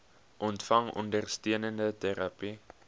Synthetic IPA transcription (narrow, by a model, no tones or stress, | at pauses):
ʔɔntfɐŋɔ̰ndərstiənəndətæɾɐpi